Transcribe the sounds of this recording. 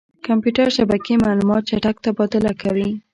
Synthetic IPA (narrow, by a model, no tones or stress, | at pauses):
kampjuʈaɾʃabakemalumɑt̪̚t͡ʃaʈak̚t̪abɑt̪ɪlakawi